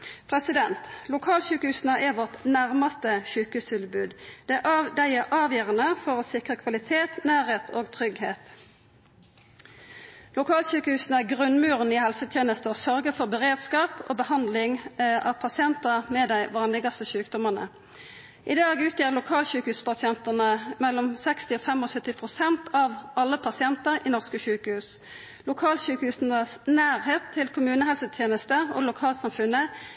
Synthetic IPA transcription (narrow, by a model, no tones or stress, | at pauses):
pʰʁɛsɪd̪ɛnt̪lʊkʰɑːlɕʉːkəhʉːsnəʔæʋɔʁt̪næʁmɑst̪əʃʉːkəhʉːst̪ʰɪlbʉːd̪d̪̥ɛʔd̪æɪɛʔɑːʋjøːʁɑnəfɔʁoːsɪkʁəkʰʋɑlɪt̪ʰeːt̪næːɾeːt̪ʰoːɡt̪ʰʁʏɡheːt̪ | lʊkʰɑːlɕʉːkəhʉːsnəæɡʁʉnmʉːʁniːhɛlsət̪ʰjeːnəst̪əoːsœʁɡəfɔʁbəʁeːd̪skɑːpo̰ːbəhɑnd̪lɪŋɑ̰ʋpʰɑsɪɛnt̪əmɛd̪æɪʋɑːʁnlɪɡɑst̪əʃʉːkd̪ɔməʁnə̰ | ʔɪd̪ɑːɡʉːt̪jiːʁlʊkʰɑːlɕʉːkəhʉːspʰɑsɪɛnt̪ənəmɛlːɔmsɛkst̪ɪɔfɛmɔsœt̪ːɪpʰʁʊsɛnt̪ʰɑʋɑlːəpʰɑsɪɛnt̪əʁɪnɔʁskəʃʉːkəhʉːs | lʊkʰɑːlʃʉːkəhʉːsnəsnæːʁheːt̪ʰːɪlkʰʊmʉːnəhɛlsət̪ʰjeːnəst̪əo̰lʊkʰɑːlsɑmfʉnə